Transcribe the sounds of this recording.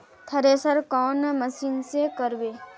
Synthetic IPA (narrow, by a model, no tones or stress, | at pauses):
t̪ʰəɾeːsəɾkɔːnməsiːnsekəɾʋeː